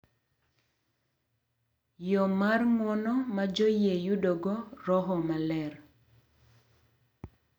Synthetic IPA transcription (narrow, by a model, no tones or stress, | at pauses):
jɔmarŋwɔnɔmad͡ʒojejudoɡɔrɔɦɔmalɛr